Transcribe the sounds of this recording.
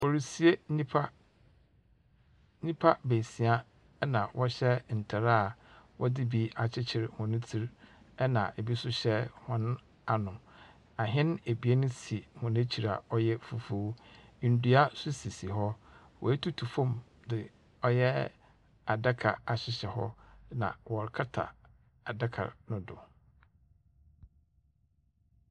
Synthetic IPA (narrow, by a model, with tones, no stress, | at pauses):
ɔ˨ɾi˨si˨e˦nĩ˦pʰa˦ | nĩ˦pʰa˦be˨si˨a˦ | nã˨wʔɔ˦ɕɛ˦n̩˨tʰa˨ɾaː˦˨wɔ˦dɪ˦bi˦a˨t͡ɕʰɪ˦t͡ɕʰɪ˨ɾhʊ̃˨nʊ̃˦tʰi˦ɾ | ɛ˦nã̰˨ʔe˨bi˦sʊ˦ɕɛ˦hʊ̃˦ñ˦ | a˨nʊ̃˨ | a˨ɦɪ̃˦n˦e˨bi˨e˦nʊ̃˦si˨hʊ̃˨nẽ˦t͡ɕʰi˨ɾa̰˨ɔ˦jɛ˦fu˨fu˦˨n̩˨du˦a˦sʊ˦si˨si˨ɦɔ˦ | wʔɔ̰˨æ˦tʰu˦tʰu˨fõ˦˨m | dɪ˨ | ɔ˦jɛ˦ | a˨da˦kʰa̰˨a˨ɕɪ˨ɕɛ˨hɔ̰˦nã̰˨wɔ˨ɾkʰa˦tʰa̰˨ | a˨da˦kʰa̰˨nʊ̃˦dʊ̰˨